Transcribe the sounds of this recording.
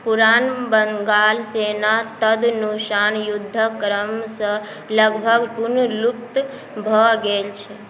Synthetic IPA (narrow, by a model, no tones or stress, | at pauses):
puɾanbəŋɡalsenat̪əd̪nuksanjud̪ʱːəkɾəmsə̃ | ləɡbʱəɡpunluk̚t̪ | bʱəɡelt͡ʃʰɛ